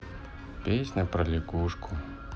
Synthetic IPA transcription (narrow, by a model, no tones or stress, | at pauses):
pʲesʲnʲɐpɾɐlʲikuʂkʰʊ